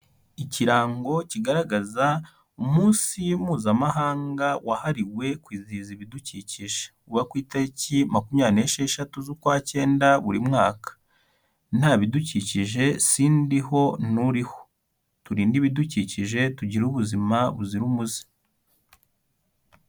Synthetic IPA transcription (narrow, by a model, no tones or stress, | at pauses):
iciɾaːŋɡo̞ciɡaɾaɡaza | umuːnsijumuːzamaɦaːŋɡawʔahaɾiwe̞kwiːziziβiduciciʒe̥kuβakwiːtaɾicimakumɲaːneʃeʃatuzukwaːce̞ːndaβuɾimŋaːkḁ | n̥haːβiduciciʒe̞siːndiɦo̞nuɾiho̞̥ | tuɾiːndiβiduciciʒe̞tuɟiɾuβuzimaβuziɾumuzi̥